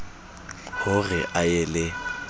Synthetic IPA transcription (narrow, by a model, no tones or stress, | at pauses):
hʊrɪʔaɛlɪ